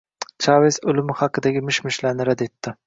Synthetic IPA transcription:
t͡ʃʰɑvesʊlɪmɪhɑqʰɨd̪aɡʲɪmɪʃmɪʃlaɾnɪɾad̪e̞t̪ʰːɪ

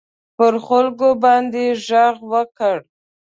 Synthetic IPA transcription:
pəɾxʊlkobɑnd̪eʒaɣwəkəɽ

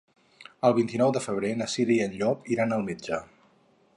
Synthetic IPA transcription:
əlˠβint̪inɔwðəfəβ̞ɾenəsiɾiənʎɔpiɾanəlˠmed͡ʒə

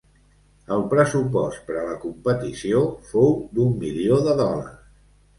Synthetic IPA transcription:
əlˠpɾəsupɔst̪̚pəɾələkumpət̪isiofowd̪umːilioðəðɔlə̰s

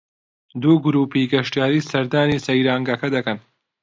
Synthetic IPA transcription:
d̪uːɡʊɾuːpiɡɐʃtijaːɾiːsɐɾd̪aːnisɐjɾaːŋɡɐkɐd̪ɐkɐn

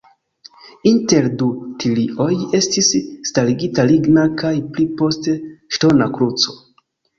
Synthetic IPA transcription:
inte̞ɾdutʰiliʔo̞je̞stisstaliɡitaliɡnakajplipo̞steʃto̞nakɾut͡so̞̥

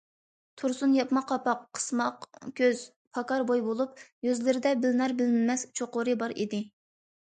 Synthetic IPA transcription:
t̪ʰuɾsunjɑpmɑqʰɑpɑqqʰːə̥smɑqkʲʰøz̥ | pʰɑkɑɾbojbolˠup̚jøzlɪɾɪd̪ɛbɪlnɑɾbɪlmɪmɛst͡ʃʰoqʊɾɨbɑɾḭd̪ɪ

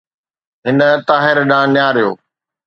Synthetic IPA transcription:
ɦɪnə̆t̪aːɦɪɾɗãːnjaːɾɪjo̰ː

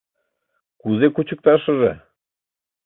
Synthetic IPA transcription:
kuzekut͡ɕʰə̆k̚t̪ɑʃə̆ʒe

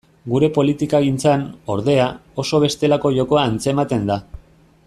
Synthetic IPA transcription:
ɡuɾe̞po̞lit̪ikaɣint͡sano̞ɾðe̞ao̞so̞β̞e̞st̪e̞lako̞ʝo̞ko̞aːnt͡se̞mat̪e̞nd̪a

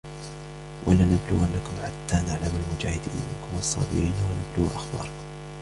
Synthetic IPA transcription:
wʔa̰lanablʊɣanːakʊmħat̪ːanaʕlamalmʊd͡ʒaːhɪd̪ḭːnmɪ̰nkʊmɑsˤːɑ̰ːbɪɾiːnwanabluːʔaxbɑ̰ːɾˤkʊm

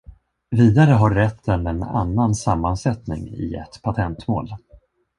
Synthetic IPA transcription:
viːd̪aɾəɦaɾːɛt̪ʰːənɛna̰nːansamːansɛt̪nɪ̰ŋɪ̰ɛ̰t̪pʰat̪ʰɛnt̪mo̰ːl

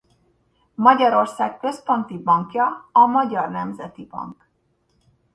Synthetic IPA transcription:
mɒɟɒɾo̞rsaːkkø̞spo̞nt̪ibɒŋkjɒːmɒɟɒrnɛmzɛt̪ibɒ̰ŋk

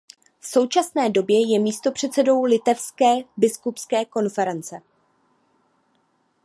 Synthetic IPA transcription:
fso̞wt͡ʃasnɛːdo̞bjɛjɛmiːst̪o̞pr̝̥ɛt̪sɛdo̞wlɪt̪ɛfskɛːbɪskupskɛːko̞nfɛɾɛnt͡sɛ

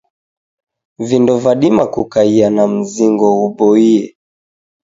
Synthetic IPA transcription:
vindɔvaɗimakukaianam̩ziŋɡɔuɓɔiɛ

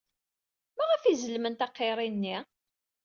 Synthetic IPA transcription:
mæʁəfizəlmənt̪ɑqːeɾˤinːi

